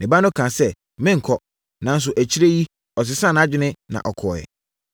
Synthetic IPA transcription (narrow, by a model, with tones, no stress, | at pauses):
nɪ̃˨ba˦nʊ̃˦kʰã˨sɛ˦ | mɪ̃˦ŋ̩˨kʰɔ˦ | nã˨˦n̩˦s̬ʊ˨ʔæ˨t͡ɕʰi˦ɾe˦ji˦ | ɔ˨s̬ɪ˨sã˦na˦d͡ʑᶣɪ˦nɪ̃˦nã̰˨ʔɔ˨kʰɔː˨ɛ̰˨